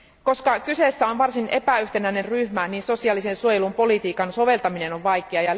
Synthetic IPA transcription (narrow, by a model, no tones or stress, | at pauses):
ko̞skɑkyse̞sːæo̞nʋɑrsinʔe̞pæyht̪enæine̞nryhmæniːnso̞siɑːlise̞nsuojelumpo̞lit̪iːkɑnso̞ʋe̞lt̪ɑmine̞no̞ʋʋɑjkeɑjɑ